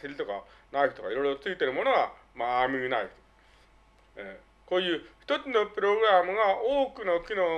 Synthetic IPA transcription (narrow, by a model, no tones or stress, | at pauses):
silit̪oka̰ | naikɯt̪okaiɾoɾot͡sɨɡʲit̪eɾɯ̟mo̞noɡa | maːmiɾinait̪ | e | koːjɯːçi̥t̪ot͡sɨnopɯɾoɡɯɾamɯ̟ɡaʔoːkɯnokʲino